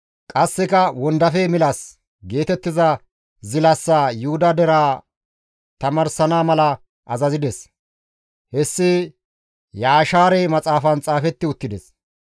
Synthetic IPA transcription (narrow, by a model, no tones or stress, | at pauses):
kʼɐsːɪkɐwɔnd̪ɐfɛmɪlɐs | ɡe̞ːt̪ɛt̪ːɪzɐ | zɪlɐsːaːjʊhʊd̪ɐd̪ɛɾaː | t̪ɐmɐɾsɐnaːmɐlɐ | ʔɐzɐzɪd̪ɛs | hɛsːɪ | jaːʃaːɾɛmɐt͡sʼaːfɐnt͡sʼaːfɛt̪ːɪʊt̪ːɪd̪ɛs